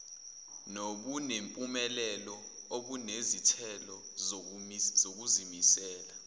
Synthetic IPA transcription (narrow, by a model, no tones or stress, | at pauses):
noɓunempʼumɛlɛlɔ | oɓunezitʰɛlɔ | zok̬uzimisɛːla